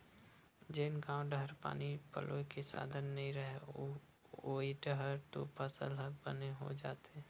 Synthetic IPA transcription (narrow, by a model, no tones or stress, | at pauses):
d͡ʒeːnkaːʊ̃ɖɦəɾpa̰ːnipə̰lʔokesa̰ːd̪ʱənːɐɦĩɾəɦe | oːiʈəɦəɾt̪o̰pəsə̰lɦəbəneɦo̰d͡ʒaːt̪eː